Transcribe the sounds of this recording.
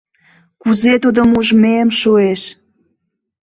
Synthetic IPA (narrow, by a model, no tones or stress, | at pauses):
kuzet̪ud̪omuʒmeəmʃueʃ